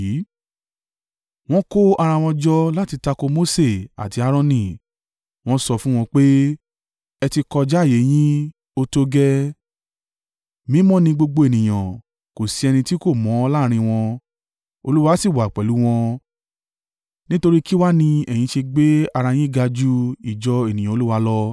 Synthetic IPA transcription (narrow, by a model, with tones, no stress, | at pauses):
w̃ɔ̃˦ko˦a˧ɾã˧w̃ɔ̃˧d͡ʒɔ˦la˦ti˧ta˧ko˧mo˦se˦˨a̰˨ti˧˦a˦ɾ̃ɔ̃˦nĩ˦˨ | w̃ɔ̃˦sɔ˧fũ˦w̃ɔ̃˧k͡pe˦ | ɛ˧ti˧kɔ˧d͡ʒa˦˨je˨˦j̃ĩ˦ | o˧to˧ɡɛ˦ | mĩ˨˦mɔ̃˦nĩ˧ɡ͡bo˧ɡ͡bo˧e˨nĩ˨j̃ã˨ | ko˨si˧˦ɛ˧nĩ˧ti˦ko˦˨mɔ̃˨˦˧la˦ɾ̃ĩ˧w̃ɔ̃˧ | o˧lu˦wa˧˦si˦˨wa˨k͡pɛ˨lu˨˦w̃ɔ̃˧ | nĩ˦to˧ɾi˦ki˦wa˦nĩ˧ɛ˨j̃ĩ˨˧ʃe˧ɡ͡be˦a˧ɾã˧j̃ĩ˦˨ɡa˧d͡ʒu˦i˦˨d͡ʒɔ˧e˨nĩ˨jã˨o˧˦u˦wa˧lɔ˦